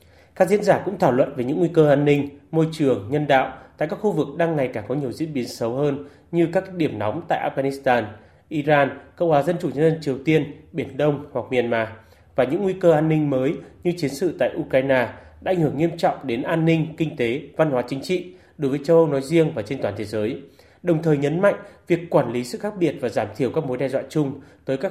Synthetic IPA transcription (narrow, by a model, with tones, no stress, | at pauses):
kaː˦˥k̚zḭ˧˥ənzaː˧˩kʊ̰˧˥ŋ͡mt̪ʰaː˧˩wlwə̰˧˨nve˨˩˦ɲɨ̰˧˥ŋːwi˧kəː˧ʔaː˧nːï˧ŋ̟mo˧jt͡ɕɨ˨˩əŋɲə˧nɗa̰ː˧˨wt̪a̰ː˧˨jkaː˦˥k̚xu˧vɨ˨˩k̚ɗaː˧ŋːa˨˩jkaː˧˩ŋkɔ˨˦ɲi˨˩əwzḭ˧˥ənɓi˨˦ənsə˨˦whəː˧n | ɲɨ˧kaː˦˥kɗi˧˩əmnɔ̰˨˦wŋ͡mmt̪a̰ː˧˨ʔaː˧f̚ɣaː˧ni˦˥st̪aː˧n | ʔi˧zaː˧nkə̰˧˨whwaː˨˦zə˧nt͡ɕu˧˩ɲə˧nzə˧nt͡ɕi˨˩əwt̪i˧ənɓi˧˩ənɗə˧wŋ͡mhwa˨˩k̚mi˨˩ənmaː˨˦ | vaː˨˩ɲɨ̰˧˥ŋːwi˧kəː˧ʔaː˧nːï˧ŋ̟məː˨˦jɲɨ˧t͡ɕi˨˦ənsɨ̰˧˨t̪a̰ː˧˨ʔu˧kaː˧jnaː˧ɗaː˧˥˧jŋ̟hɨ˧˩əŋːi˧əmt͡ɕɔ̰˧˨wŋ͡mɗe˨˦nʔaː˧nːï˧ŋ̟kï˧ŋ̟t̪e˨˦va˧nhwaː˨˦t͡ɕï˨˦ŋ̟t͡ɕḭ˧˨ | ɗo˨˦jvəː˨˦t͡ɕə˧wʔə˧wnɔ˨˦jzi˧əŋvaː˨˩t͡ɕe˧nt̪waː˧˩nt̪ʰe˨˦zəː˨˦j | ɗə˨˩wŋ͡mt̪ʰəː˨˩jɲə˨˦nma̰˧˨jŋ̟vi˨˩əkːwaː˧˩nli˨˦sɨ̰˧˨xaː˦˥k̚ɓi˨˩ət̚vaː˨˩zaː˧˩mt̪ʰi˧˩əwkaː˦˥k̚mo˨˦jɗɛ˧zwa̰ː˧˨t͡ɕʊ˧ŋ͡mt̪əː˨˦jkaː˦˥